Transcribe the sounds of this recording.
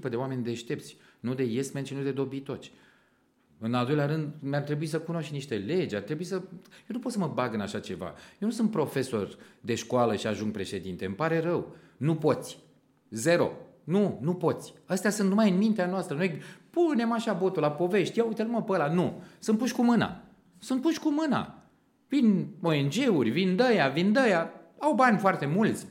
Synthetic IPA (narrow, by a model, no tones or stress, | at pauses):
pəd̪eoame̞nʲd̪eʃt̪e̞p̚t̪sʲ | nud̪e̞je̞smenʃinud̪e̞d̪o̞bit̪o̞t͡ʃʲ | ɨnald̪o̞jlʲaɾɨnd̪mart̪ɾe̞buis̬əkuno̞ʃt̪niʃt̪e̞le̞d͡ʒʲart̪ɾebuisəjenupot̪səməbaɡɨnaʃat͡ʃe̞va̰jewnus̬unt̪̚pɾo̞fe̞so̞rd̪e̞ʃkwaləʃiaʒuŋɡ̚pɾe̞ʃe̞d̪int̪e̞mpaɾe̞rəw | nupo̞t̪sʲ | ze̞ɾo̞̰ | nunupo̞t̪sʲəst̪easunt̪numajɨnmint̪eanoast̪ɾənojpune̞maʃabo̞t̪ulapo̞ve̞ʃt̪ʲjaujt̪əluməpəlanusunt̚puʃʲkumɨna̰ | sunt̪̚puʃkumɨna̰ | vino̞e̞nd͡ʒe̞urʲvind̪əjavind̪əjaawbanʲfoart̪e̞mult̪sʲ